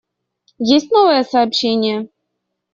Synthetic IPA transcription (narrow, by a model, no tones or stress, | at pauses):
jesʲt̚ʲnɔvɛɛsɐːpɕenʲɪjɛ